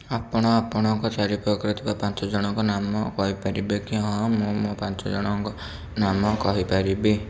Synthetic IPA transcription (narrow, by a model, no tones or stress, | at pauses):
apɔɽ̃ɔapɔɽ̃ɔŋkɔtaɾipɾɔkɾit̪ibapant͡ʃɔd͡ʒɔɽ̃ɔŋkɔnamɔkɔɦipaɾibekiɦɔ̃mũmũpant͡ʃɔd͡ʒɔɽ̃ɔŋkɔ | namɔkɔɦipaɾibe